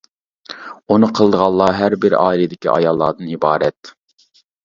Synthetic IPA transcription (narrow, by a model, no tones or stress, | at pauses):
unɨqʰəlˠd̪əʁɑlˠːɑɦæɾbɪɾɑ̰ːilid̪ɪkʲḭʔɑ̰jɑlˠːɑ̰ːd̪ɨnibɑːɾɛt̪